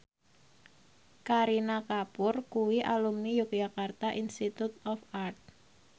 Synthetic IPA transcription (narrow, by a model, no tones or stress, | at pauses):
kaɾinakapʊrkuwiʔalumnijuk̚d͡ʒakart̪aʔinst̪it̪ut̪ɔfart̪̚